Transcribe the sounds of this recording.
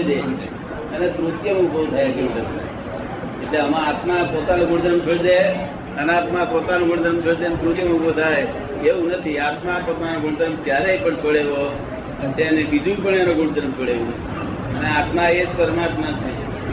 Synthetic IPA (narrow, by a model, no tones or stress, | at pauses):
d̪e | ənet̪ɾut̪jəmũbəut̪ʰajakeũd̪əma̰ | eʈleəmãat̪mapot̪anõɡʱʊɳd̪əɾəmpʰeɭd̪e | ənat̪mapot̪anõɡʱuɽd̪əɾəmt͡ʃʰeɭd̪ent̪ɾut̪jəmũbot̪ʰaj | eʋũnət̪ʰiat̪mapot̪anõɡʱuɳd̪əɾəmkjaɾeipəɳt͡ʃʰoɽeʋo | t̪eənebid͡ʒũpəɳenõɡʱuɳd̪əɾmt͡ʃʰoɽeʋũəi | əneat̪maed͡ʒpəɾmat̪mat̪ʰi